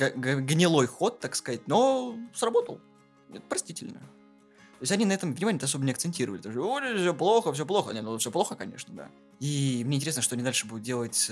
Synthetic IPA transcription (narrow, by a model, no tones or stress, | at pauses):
ɡɡɡnʲɪlˠo̞jxo̞t̪ːakskɐzat̚ʲno̞srɐbo̞t̪əlˠʲ | ɛt̪pɾɐsʲtʲitʲɪlʲnə̰ | t̪o̞ɪsʲɐnʲinɐɛt̪əmvnʲɪmanʲɛt̪ɐsobənʲɪɐkt̪sɨnʲtʲiɾəvəlɪt̪oʂodʲefsʲoplˠo̞xəfsʲop̬lˠo̞xə̰nʲet̪fsʲoplˠo̞xəkɐnʲḛʂnəd̪a̰ | imnʲenʲtʲɪɾʲesnəʂt̪oɐnʲɪd̪alʲʂɨbud̪ʊt̪̚dʲe̞lˠətʲ